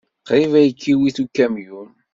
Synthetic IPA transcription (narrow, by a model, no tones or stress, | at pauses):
qɾivæjəkʰːiwiθukːæmjun